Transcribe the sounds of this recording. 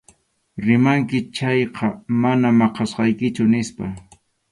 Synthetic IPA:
ɾɪmaŋkɪt͡ʃɑjqʰɑmanamɑqɑsqɑjkɪt͡ʃʊnɪspa

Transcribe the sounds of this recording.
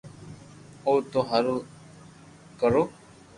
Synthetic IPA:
ot̪oɦaɾo | kəɾoː

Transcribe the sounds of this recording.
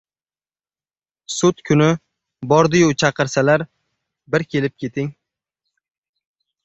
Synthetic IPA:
sʊt̪kʰʊnɪ | bɒɾd̪ɪjʊt͡ʃʰɑqɨɾsalaɾ | bɪɾkʲʰe̞lɪp̚kʲʰe̞t̪ʰɪŋ

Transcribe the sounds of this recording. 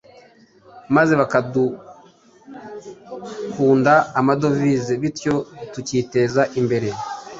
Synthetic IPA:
maze̞βakadu | kuːndaːmado̞vizeβitjo̞tuciːte̞ːzaʔimbe̞ɾe̞

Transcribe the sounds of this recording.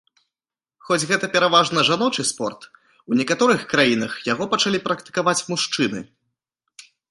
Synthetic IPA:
xɔd͡zʲɣɛt̪ɐpʲɛɾavaʐnɐʐanɔt͡ʂɨspɔrt̪ | unʲɛkat̪ɔɾɨxkɾajinɐxjaɣɔpɐt͡ʂalʲipɾɐkt̪ɨ̥kavat͡sʲmuʂt͡ʂɨnɨ̰

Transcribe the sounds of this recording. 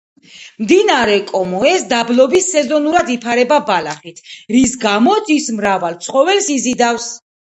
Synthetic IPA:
md̪inaɾɛkʼɔmɔɛsd̪ablɔbisːɛzɔnuɾad̪ipʰaɾɛbabalaχit̪ʰɾisɡamɔt̪sismɾavalt̪sʰχʼɔvɛlsizid̪afs

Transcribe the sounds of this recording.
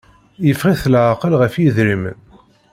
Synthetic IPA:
jəfʁiθlʕaqəlʁəfjiðɾimə̰n

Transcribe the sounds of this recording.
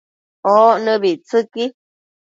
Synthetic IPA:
ɔʔnəbit͡sɨki

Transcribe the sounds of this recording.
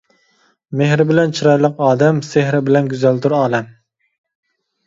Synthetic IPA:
mehɾɪbɪlɛnt͡ʃʰiɾɑjlˠəqɑːd̪ɛmsehɾɪbɪlɛnɡʲyzælt̪uɾɑːd̪ɛm

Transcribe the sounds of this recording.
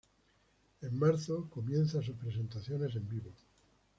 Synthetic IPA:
emmaɾθoko̞mjẽ̞nθasupɾese̞nt̪aθjone̞s̬e̞mbiβo

